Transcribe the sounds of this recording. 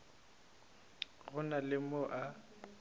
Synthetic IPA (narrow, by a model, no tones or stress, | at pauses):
ɣʊnalɪmoʔa